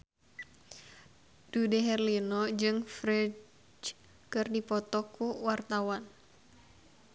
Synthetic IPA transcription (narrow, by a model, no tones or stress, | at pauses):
d̥udɛɦɛrlinɔd͡ʒɨŋfɾɛ | kɨrdipɔt̪ɔkuwart̪awan